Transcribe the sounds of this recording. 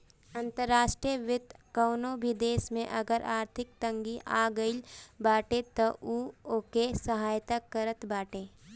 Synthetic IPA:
ɐ̃nt̪əɾːaːʃʈɾijəʋɪt̪kəːnobʱid̪eːsmẽʔɐɡəɾʔaːɾt̪ʰɪk̚t̪ə̃ŋɡiʔa̰ːɡəilbaːʈet̪oʔuokesəɦaːjt̪akəɾət̪baːʈeː

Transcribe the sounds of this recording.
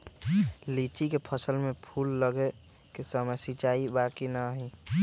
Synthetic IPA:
lit͡ʃikepʰəsəlmẽpʰulːəɡe | kesəməjsit͡ʃaːibaːkinəɦi

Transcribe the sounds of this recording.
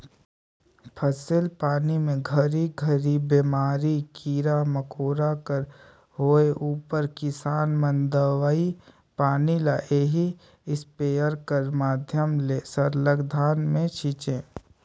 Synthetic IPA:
pʰəsɪlpaːnimẽɡʱəɾiɡʱəɾibemaːɾikiːɾaməkoːɾakəɾ | ɦoːeʔuːpəɾkɪsaːnmə̃nd̪əʋai | paːnilaʔeːɦi | ɪspeːəɾkəɾmaːd̪ʱjəmleːsəɾləɡd̪ʱaːnmẽt͡ʃʰiːt͡ʃẽː

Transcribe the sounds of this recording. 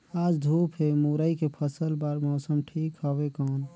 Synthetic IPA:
ad͡ʒd̪ʱupʰɦemuɾəikepʰəsəlbaɾmɔːsəmʈʰikɦɔbekɔn

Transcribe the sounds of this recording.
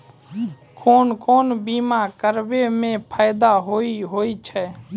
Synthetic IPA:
kʰoːnkoːnbiːmakəɾbemẽpʰaːɪd̪aɦoiɦoːit͡ʃʰɛ

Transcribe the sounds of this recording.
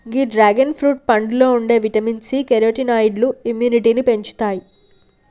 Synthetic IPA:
ɡiːɖɾaːɡɐnpʰɾuːʈ̚pɐɳɖlo̞ːuɳɖe̞ːʋiʈɐminsikeɾoːʈinɐjɖluimjuːniʈiːnipe̞ɲt͡ʃu̥t̪aːji

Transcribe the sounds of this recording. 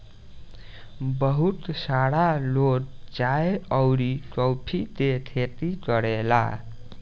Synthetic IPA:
bəɦut̪saɽalodd͡ʒaeəwɾikɔwpʰid̪et̪ʰet̪ikəɽela̰

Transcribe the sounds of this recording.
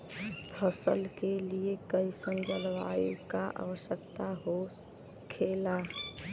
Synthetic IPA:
pʰəsə̰lkeliekəisə̃nd͡ʒəlʋa̰jukaʔa̰wəʃjəkt̪aɦo | kʰela

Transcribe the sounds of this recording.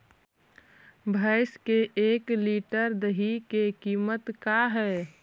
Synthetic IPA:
bʱaɪskeeːkliːʈəɾd̪əɦikekiːmət̪kaɦɛː

